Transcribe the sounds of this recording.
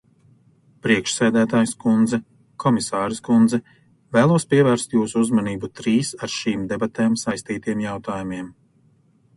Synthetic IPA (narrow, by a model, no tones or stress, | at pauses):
pɾiɛkʃsæːd̪æːt̪aːjskund̪zɛ | kʰɔmisaːɾiskund̪zɛ | væːlˠuɔspʲiɛvæːɾst̪juːsuuzmaniːbut̪ɾiːsaɾʃiːmd̪ebat̪ɛːmsajst̪iːt̪iɛmjawt̪aːjumiɛm